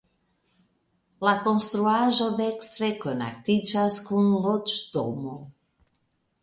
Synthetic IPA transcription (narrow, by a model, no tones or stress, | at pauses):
lakonst̪ɾuaʒod̪ekst̪ɾekona̰k̚t̪id͡ʒaskunlot͡ʃt̪o̰mo